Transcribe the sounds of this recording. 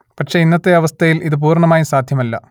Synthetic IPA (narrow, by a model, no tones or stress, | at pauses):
pɐʈʂe̞inːɐt̪ːe̞ɐʋɐst̪ʰɐjilʔiðɨp̬uːrɳɐmaːjisaːd̪ʱjɐmɐlːɐ̰